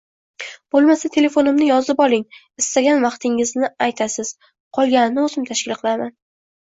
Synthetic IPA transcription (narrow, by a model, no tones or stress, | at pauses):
b̥olˠmasat̪ʰe̞le̞fo̞nɪmnɪjɒzɪpɒlˠɪŋ | ɪst̪aɡʲanvɑqt̪ʰɪŋɪznɪajt̪ʰasɪz̥ | qʰɒlˠɡʲanɪnɪozɪmt̪ʰaʃkʲɪlˠqʰɨlˠaman